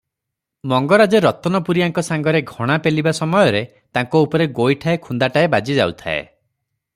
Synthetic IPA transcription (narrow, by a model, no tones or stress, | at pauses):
mɔŋɡɔɾad͡ʒeɾɔt̪ɔnɔpuɾijaŋkɔsaŋɡɔɾeɡʱɔɽ̃apelibasɔmɔjɔɾe | t̪aŋkɔupɔɾeɡojʈʰaekʰund̪aʈaebad͡ʒid͡ʒa̰wt̪ʰa̰ḛ